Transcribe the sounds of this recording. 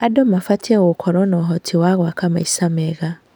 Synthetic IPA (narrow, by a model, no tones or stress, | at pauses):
adɔmafatʰiɛɣokʰɔɾɔnɔɦɔtʰiwaɣwakamaisamɛɣa